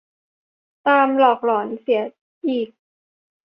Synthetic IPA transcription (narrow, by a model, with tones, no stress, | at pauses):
t̪aː˧mlɔː˨˩k̚lɔː˩˦nsi˩˦ɐ | ʔiː˨˩k̚